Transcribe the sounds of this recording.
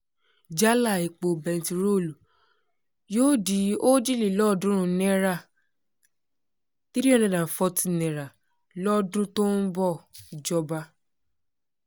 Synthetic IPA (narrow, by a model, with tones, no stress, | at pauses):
d͡ʒa˦la˦˨i˨k͡po˨bɛ̃˧n˨ti˨ɾo˦˨lu˨ | joː˦di˨˦o˦d͡ʒi˦li˨lɔ˦˨dũ˨˦ɾ̃ũ˧˦nɛ̃˦ɾa˦˨ | ti˦ɾi˦ɔ˦˨nɛ̃˨dã˨fɔ˧ti˦˨nɛ̃˨ɾa˨ | lɔ˦dũ˦to˦n̩˦bɔ˦˨d͡ʒɔ˧ba˧˦